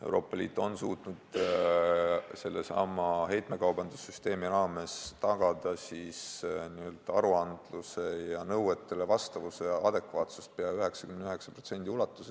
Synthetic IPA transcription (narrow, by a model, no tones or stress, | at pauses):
e̞̰wɾʔo̞ːpːˑɑlʲḭːt̪ːˑo̞nsuːt̪nud̪ | se̞lːe̞sɑ̰mɑɦe̞jt̪me̞kɑwbɑnd̪̥usːyst̪e̞ːmiɾɑːme̞st̪ɑɡ̥ɑd̪̥ɑsisniø̞lt̪ɑɾuɑnd̪̥luse̞jɑnɤwe̞t̪ˑːelevɑst̪ɑvuseɑd̪̥e̞kvɑːt̪su̥st̪̚peɑyɦe̞ksɑ̥kymenyɦe̞ksɑ̥pro̞t̪se̞nʲd̪̥ʲiulɑt̪ːˑuse